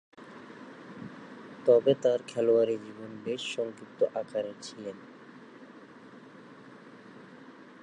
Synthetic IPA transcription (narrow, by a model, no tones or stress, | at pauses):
t̪ɔbet̪aɾkʰɛloaɾed͡ʑibonbeʃːɔŋkit̪ːoʔakaɾet͡ɕʰilen